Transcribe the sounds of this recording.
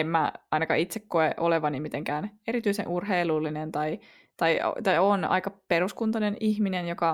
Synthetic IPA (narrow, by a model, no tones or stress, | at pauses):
emmæ̰ɑinɑkɑ̰it̪sekkoeʔoleʋɑnimit̪eŋkæːneɾit̪yisḛnʔurɦeilulːinent̪ɑi | t̪ɑio̰t̪ɑionɑ̰ikɑpeɾuskunt̪ɑneniçminenjokɑ